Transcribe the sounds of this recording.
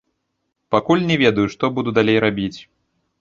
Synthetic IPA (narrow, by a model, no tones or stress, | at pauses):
pakulʲnʲɛvʲɛd̪ɐjuʂt̪ɔbud̪ud̪alʲejɾabʲit͡sʲ